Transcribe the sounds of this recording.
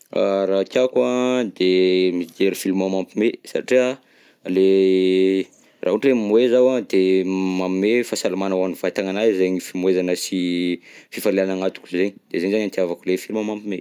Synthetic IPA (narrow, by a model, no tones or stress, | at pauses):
a̰ɾakʲakwad̪emiɡeɾifilumamampimesa̰ʈ͡ʂia | le | rʔaɦuʈ͡ʂemuezawad̪emamimefasalamanawanivajt̪aŋanajzeɲifimuezanəsi | fifaleanaŋat̪u̥kuzeɲid̪̥ezenizaɲant̪iavakulefilumamampime